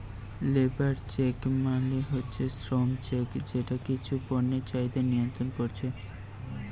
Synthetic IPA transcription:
lebaɾt͡ɕekmaleɦotːɕʰesʈɾɔŋt͡ɕekd͡ʑeʈakit͡ɕʰupoɾnet͡ɕajd̪anijont̪ɾonkoɾt͡ɕʰe

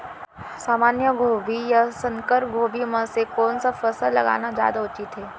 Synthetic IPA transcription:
saːmaːnjəɡʱoːbijasə̃ŋkəɾp̚ɡʱoːbimə̃sekɔːnsafəsəllɐ̰ɡa̰ːnad͡ʒja̰ːd̪aʊt͡ʃɪt̪ɦeː

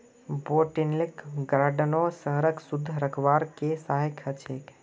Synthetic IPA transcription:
boʈinlikɡaɾɖənosəɦɾəksud̪ʱːəɾəkʰʋaːɾkesaɦikʰət͡ʃʰek

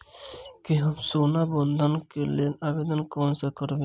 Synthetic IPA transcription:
kiɦɐmsoːnabond̪ʱənkelenabeːd̪ənkoːnsekəɾbe

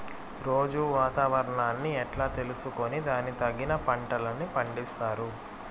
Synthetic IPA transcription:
ɾo̞ːd͡ʒuʋaːt̪aːʋɐɾɐɳaːnːiɛʈlaːt̪e̞lusuko̞nid̪aːnːit̪ɐɡːinɐpɐɳʈɐlɐnːipɐɳɖist̪aːɾu

